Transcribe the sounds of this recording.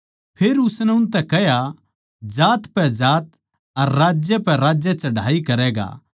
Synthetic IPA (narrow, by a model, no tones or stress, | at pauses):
pʰeːɾʊsnɛʊnt̪̬ɛkɛɦja | d͡ʒaːt̪pɛd͡ʒaːt̪ | ɐɾːaːd͡ʒjɛpɛɾaːd͡ʒjət͡ʃɐɽ̤ʱa̰ːikɐɾɛːɡa̰ː